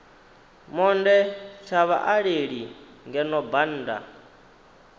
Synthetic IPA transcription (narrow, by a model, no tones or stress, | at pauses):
mɔndɛt͡ʃʰaβa̰ʔaɺeɺi | ŋɡɛnɔban̩ːda̰